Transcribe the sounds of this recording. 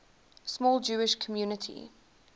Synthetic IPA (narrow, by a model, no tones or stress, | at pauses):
smɔːlˠd͡ʒuːɪʃkʰəmjuːnətʰḭ